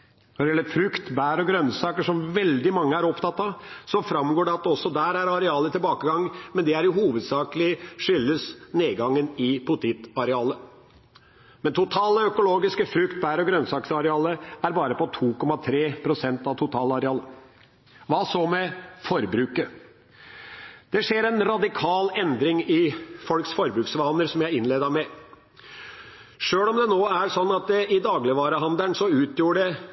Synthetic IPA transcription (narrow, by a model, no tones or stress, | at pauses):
nɔd̪ɛjɛlːəɾfɾʉkt̪bæːɾɔɡɾœnsɑːkəʂɔmʋɛld̪ɪmɑŋːəæɾɔpt̪ʰɑt̪ːɑsɔfɾɑmɡoːɖɛɑt̪̚d̪ɔsːɔd̪æːɾæɾɑɾɛɑːlət̪ɪlbɑːkəɡɑŋːmɛnd̪ɛæɾjʊhuːʋəd̪sɑːkəlɪʂʏlːəsneːɡɑŋːənɪpʰʊt̪ʰɪt̪ɑɾɛɑːlə | mɛnt̪ʰʊt̪ʰɑːləœkʊloːɡɪskəfɾʉkt̪̚bæːɾɔɡɾœnsɑːksɑɾɛɑːləæɾbɑːɾəpɔt̪ʰuːkʰɔmːɑt̪ʰɾeːpʰɾʊsɛnt̪ɑʋt̪ʰʊt̪ʰɑːlɑɾɛɑːlə | ʋɑːsoːmɛfɔɾbɾʉːkə | d̪̥ɛʂeːɾɛnɾɑd̪ɪkʰɑːlɛnd̪ɾɪŋɪfɔlksfɔɾbɾʉːksʋɑːnəɾsɔmjæɪɪnleːd̪ɑɾmɛ | ʂøːlɔmd̪ɛnoːæɾʂɔnːɑt̪̚d̪ɛɪd̪ɑːɡlɪʋɑːɾəɦɑnd̪əɳsɔʉːt̪ʰjuːɖɛ